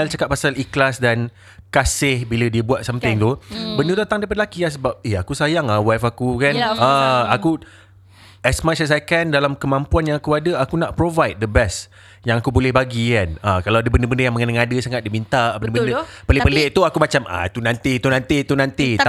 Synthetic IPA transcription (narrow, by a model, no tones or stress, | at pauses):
lt͡ʃakat̪̚pasaliklasdan | kasɪhbilədiəbuat̪̚samt̪ɪŋt̪ubəndəd̪at̪aŋdajp̬adəlakiahsəbap̚ɛhakusajaŋawafakukanaaku | ɛsmat͡ʃas̬akandalamkəmãmpuanjãŋakuadəakunaʔpɾovajt̚dəbɛs | jaŋakubolɛhbaɡikanakalawadəbəndəbəndəjaŋməŋənaŋadəsaŋat̪̚dimint̪aʔbənndəbəndəpəlɪʔpəleʔt̪uakumat͡ʃama̰t̪unãnt̪it̪unant̪it̪unãnt̪i